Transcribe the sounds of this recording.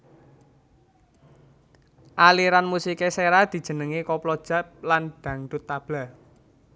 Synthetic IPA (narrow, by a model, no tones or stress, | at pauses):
ʔaliɾanmusikeseɾad̪̥i̤d̥ʒ̥ə̤nəŋekɔplɔd̥ʒ̥a̤p̚lanɖ̥ä̤ŋd̥̪ʊt̪ːab̥la